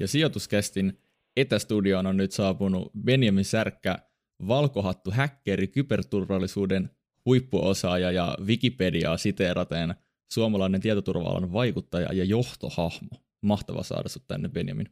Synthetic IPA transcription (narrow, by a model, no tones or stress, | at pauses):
jɑsio̞t̪uskest̪in | et̪æst̪udiononːyt̪sɑːpunṵbe̞njæminsærkːæ | ʋɑlkoɦɑt̪ːuɦækːeɾikypert̪urʋɑlːisuːden | hujpːuʔosɑːjɑjɑ̰ʋikipediɑ̰ːsit̪eːrʔɑt̪en | suomɑlɑinent̪iæt̪ot̪urʋɑ̰ɑ̰lɑ̰nʋɑjkut̪ːɑjɑ̰jɑjo̞ht̪ohɑhmo | mɑht̪ɑʋɑ̰sɑ̰ːdɑ̰sut̪t̪æ̰nːebe̞njæ̰mḭn